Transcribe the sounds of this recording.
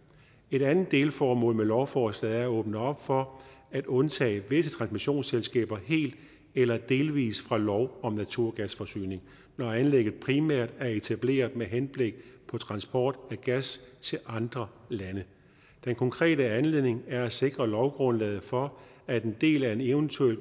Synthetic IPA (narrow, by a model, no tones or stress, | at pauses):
e̝ɾ̥ænð̩ˠd̥e̝ːlfɒːmɔ̰̽ːlmelɒʊfɒːslɛð̩ˠæɐæɔ̽ːb̥nəɒ̽b̥fɒæd̥ɔ̽nt͡sʰɛ̰ːʋe̝sət͡sʰʁɑ̈nsmiɕo̝̰ːnselsɡ̥ɛ̰ːb̥ɐhe̝̰ːld̥ | elɐd̥e̝ːlʋḭːsfʁɑ̈lɒʊɒ̽mnæt͡sʰuɐ̰ɡ̥æsfɒ̽sy̰ːne̝ŋ | nɒænleɡ̥ð̩ˠpʰʁimæɐ̰d̥æɐe̝t͡sʰæb̥le̝̰ːɐðˠmeɦenb̥le̝ɡ̥̚pʰɒ̽t͡sʰʁɑ̈nsb̥ɒ̰ːd̥æɡ̥æst͡sʰe̝lʔɑ̈nd̥ʁɐlænə | d̥enkʰɒ̽ŋkʰʁɛ̰ːɾəænle̝ð̰ˠne̝ŋæɐæse̝ɡ̥ʁɐlɒʊɡ̥ʁɔ̽nlɛ̰ːð̞̩ˠfɒ̽ | æd̥e̝nd̥e̝̰ːlæɐe̝neʊənt͡sʰuel